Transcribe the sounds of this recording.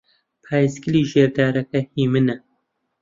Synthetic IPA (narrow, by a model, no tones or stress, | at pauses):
pʰaːjisɡɨliːʒeːɾd̪aːɾɛkɛhiːmɨnɛ